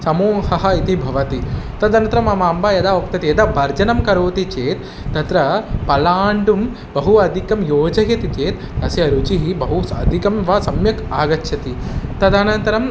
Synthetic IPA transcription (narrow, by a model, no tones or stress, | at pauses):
sɐmoːhɐɦɐit̪ibʱɐʋɐt̪it̪ɐd̪ɐnt̪ɐɾɐmɐmaːmbajɐd̪aok̚t̪ɐt̪ijɐd̪abɐɾd͡ʒɐnɐmkɐɾoːt̪it͡ʃeːt̪ | d̪ɐt̪ɾɐpɐlaːɳɖum | bɐɦuɐd̪ʱikɐmjoːd͡ʒɐɦjɐt̪it͡ʃeːt̪ | nɐsiɐɾut͡ʃiɦibɐɦuɐd̪ʱikɐmʋɐsɐmjɐkaːɡɐt͡ʃːʃʰɐt̪it̪ɐd̪anɐnt̪ɐɾɐm